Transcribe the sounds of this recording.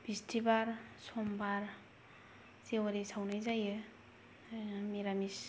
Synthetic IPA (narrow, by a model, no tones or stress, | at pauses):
b̥istʰibaɾsɔmbaɾ | sewaɾisawnajzajɯ | miɾamis